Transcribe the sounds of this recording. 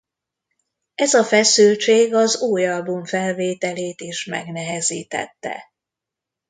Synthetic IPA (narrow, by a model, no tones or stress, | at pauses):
ɛzɒfɛsylt͡ʃeːɡɒzuːjɒlbuɱfɛlveːt̪ɛleːt̪iʃmɛ̰ɡnɛɦɛziːt̪ɛ̰t̪ːɛ̰